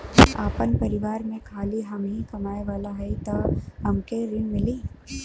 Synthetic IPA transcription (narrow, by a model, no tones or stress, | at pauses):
a̰ːpənpɐɾɪʋaːɾmẽkʰaːliɦɐmeɦĩkɐmaːeʋaːlaɦɛit̪ɐɦɐmkeɾɪnmɪliː